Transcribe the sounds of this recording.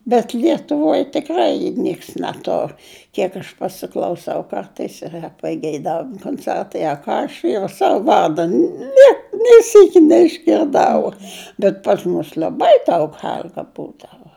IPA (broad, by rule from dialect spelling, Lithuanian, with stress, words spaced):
bʲɛt lʲiɛtʊˈʋoːj tʲɪkˈrɐɪ ˈnʲiɛks nʲɛˈtʊr ˈkʲiɛk ɐʃ pɐsʲɪklˠɐʊˈsɐʊ ˈkɐrtɐɪs iːˈrɐ pɐɡʲɛɪˈdɑːʋʲɪmʊ koːnʲˈt͡sʲɛrtɐɪ ɐ ˈkɑː ɐʃ jɛʊ ˈsɑːʋʊ ˈʋɐrdɐ ˈnʲɛ nʲeː ˈsʲiːkʲɪ nʲɛɪʒʲɡʲɪrˈdɐʊ bʲɛt pɐs ˈmʊs lʲɛˈbɐɪ dɐʊk ˈɣʲɛlʲɡɐ ˈbuːdɐʋɐ